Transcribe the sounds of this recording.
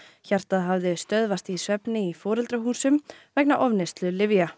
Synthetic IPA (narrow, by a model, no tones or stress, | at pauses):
çar̥t̪aðɦavðɪst̪œðvast̪isvɛpnɪifɔːɾɛlt̪ɾaɦuːsʏmvɛk̚naʔɔvnɪst̪lʏlɪvja